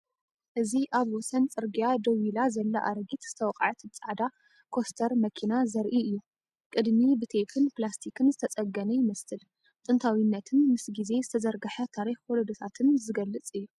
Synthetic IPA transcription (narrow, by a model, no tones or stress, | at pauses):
ʔɨziʔaβwɔsɐnt͡sʼɨɾɡijad̪ɐwilazɐlːɐʔaɾɡit̪z̥ɨt̪ʰɐwqʼʕɨt̪bɨt͡sʼaʕd̪a | kʰo̞st̪ʰɐɾmɐkʰinazɐɾʔiɨjːu | kʼɨd̪mibɨt̪ʰefʰɨnplast̪ʰikʰɨnzɨt̪ʰɐt͡sʼɐɡːɐnɐjɪmɐsɨl | t̪ʼɨnt̪ʰawinːɐt̪ʰɨnmɨsɡize̞zɨt̪ʰɐzɐɾɡɐħɐt̪ʰaɾixwɔlod̪ot̪ʰat̪ʰɨnzɨɡɐlːɨt͡sʼɨjːu